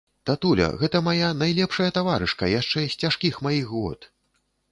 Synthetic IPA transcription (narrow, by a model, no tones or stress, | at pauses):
t̪at̪ulʲɐ̰ɣɛt̪ɐmajanajlʲɛpʂɐjɐt̪avaɾɨʂkɐjaʂt͡ʂɛsʲt͡sʲaʂkʲixmajixɣɔ̰t̪